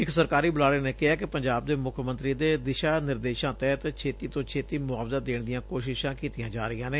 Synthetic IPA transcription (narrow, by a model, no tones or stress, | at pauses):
ɪksəɾkaːɾiːbʊlaːɽeːneːkɪɦaːkɪpəɲd͡ʒaːb̚d̪eːmʊkʰəmənt̪ɾiːd̪eːd̪ɪʃaːnɪɾd̪eːʃãːt̪ɛːt̪t͡ʃʰeːt̪iːt̪õːt͡ʃʰeːt̪iːmʊaːʋzaːd̪eːɳd̪ɪjãːkoːʃɪʃãːkiːt̪ijãːd͡ʒaːɾəɪjãːneː